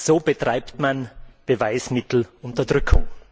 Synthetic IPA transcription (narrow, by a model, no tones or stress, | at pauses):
z̥oːbətʁ̥aɪptmanb̥əvaɪsmɪtl̩ʊntɐdʁʏkʰʊ̰ŋ